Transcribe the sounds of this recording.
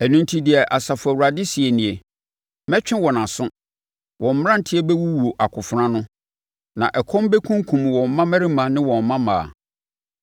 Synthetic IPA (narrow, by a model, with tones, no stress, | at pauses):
æ˨nũ˨ntʰi˦di˨ɛ˨ʔa˨sa˨fʊ˨æ˨wu˨ɾa˨dɪ˦si˨e˨nĩ˨e˨ | mɛ˦t͡ɕᶣɪ̃˦wɔ˨nã˨sʊ̃˦ | wʔɔ̃˨m̩˨m˦ã˦n̩˨tʰɪ˦e˦bɛ˦wu˦wu˨o˨ʔa˨kʰʊ˨fʊ˨˦ɾã˦nʊ̃˦ | nã̰˨ʔɛ˨kʰɔ̃˦m˦bɛ˦kʰũ˦ŋ˦kʰũ˨m˨wɔ̃˨m˦mã˦mæ˦ɾɪ˦mã˨nɪ̃˦wɔ̃˨m˨mã˦mã̰ː˨a̰˨